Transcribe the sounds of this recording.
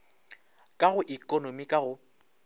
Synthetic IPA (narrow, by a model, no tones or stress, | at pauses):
kʼaɣʊʔikʼɔnomikʼaɣʊ